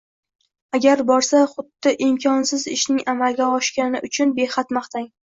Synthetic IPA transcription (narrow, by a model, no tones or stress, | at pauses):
aɡʲaɾbɒɾsaχʊd̪ːɪʔɪmkʲʰɒnsɪzɪʃnɪŋamalɡʲaɒʃkʲanɪʔʊt͡ʃʰʊnbe̞χat̪maχt̪aŋ